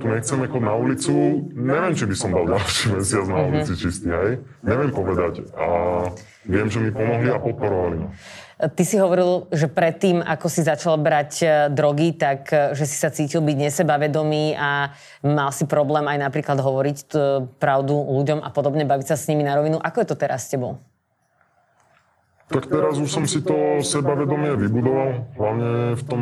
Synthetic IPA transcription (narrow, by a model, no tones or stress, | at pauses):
t̪uɲɛxt͡sɛmɛxɔdnaulit͡suɲɛʋɪɛmt͡ʃibisɔmd̪alɟalʃimɛsɪad͡znaulit͡sit͡ʃist̪iːɦɛj | ɲɛʋɪɛmpɔʋɛd̪aca | ʋɪɛmʒɛmipɔmɔɦliapɔt̪̚pɔɾɔʋalimat̪isiɦɔʋɔɾilʒɛpɾɛt̪ːiːma̰kɔsizat͡ʃalbɾacd̪ɾɔɡit̪akʒɛsi̥sat͡siːcilˠbiɟɲɛsɛbaʋɛd̪ɔmiːa | malsipɾɔblɛːmajnapɾiːklad̪ɦɔʋɔɾicpɾaʊd̪uluɟɔma̰pɔd̪ɔbɲɛbaʋicsasɲiminaɾɔʋinuʔakɔjɛt̪ɔt̪ɛɾasːcɛbɔ | t̪akt̪ɛɾazuʃsɔmsit̪ɔsɛbaʋɛd̪ɔmɪɛʋibud̪ɔʋalɦlaʊɲɛft̪ɔ